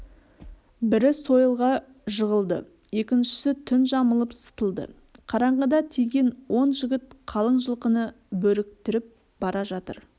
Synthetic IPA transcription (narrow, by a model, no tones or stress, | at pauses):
bɪɾɪso̞jəlˠʁɑ | ʒəʁəlˠd̪ə̰ | e̞kʲɪnʃɪ̥sɪt̪ʰʏnʒɑməlˠəpsə̥t̪əlˠd̪ə̰ | qʰɑɾɑɴʁəd̪ɑt̪ʰijɡʲe̞nwo̞nʒɪɡʲɪt̪qʰɑlˠəɴʒəlˠqənə | bɵɾɪkt̪ɪɾɪp̚ | b̥ɑɾɑʒɑt̪ə̰ɾ